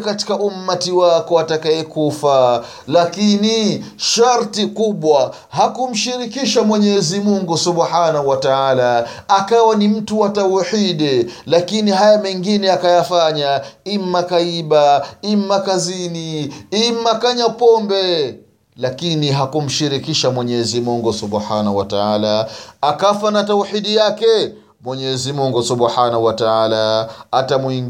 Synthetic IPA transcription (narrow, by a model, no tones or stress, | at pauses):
kati̥kaʔum̩ːatiwakɔatakaɛkufa | lakiniʃaɾtikuɓwa | hakum̩ʃiɾikiʃamwɛɲɛzimuŋɡusuɓħanahuwataalaakawanim̩tuwatauħiɗɛlakiniɦajamɛŋɡinɛakajafaɲaim̩ːakaiɓaim̩ːakaziniim̩makaɲapɔmbɛ | lakiniɦakum̩ʃiɾikiʃamwɛɲɛzimuŋɡusubħanahuwataaːlaakafanatauħiɗijakɛ | mwɛɲɛzimuŋɡusuɓħanahuwataalaːtamwiŋ